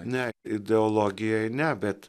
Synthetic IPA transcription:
nʲɛɪd̪ʲɛolˠoːɡʲɪjɛjnʲɛbʲɛt̪

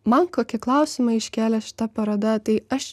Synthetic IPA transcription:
mɐnkoːkʲɪklˠɐˑʊsʲɪmɐɪɪʃʲkʲæːlʲɛʃʲɪ̥t̪ɐpɐɾɐd̪ɐt̪ɐɪɐʃ

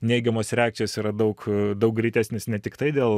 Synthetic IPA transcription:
nʲeɪɡʲɛmoːsɾʲæːkt͡ʃʲoːsiːɾɐd̪ɐʊkd̪ɐʊk̚ɡɾʲɪt̪ʲæːsʲnʲeːsnʲɛt̪ʲɪkt̪ɐɪd̪ʲeːlˠ

